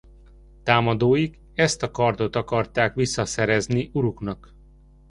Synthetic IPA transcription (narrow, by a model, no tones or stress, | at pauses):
t̪aːmɒd̪oːjiɡ | ɛst̪ɒkɒrd̪o̞t̪ɒkɒrt̪aːkʋisːɒsɛɾɛzniʔuɾuknɒk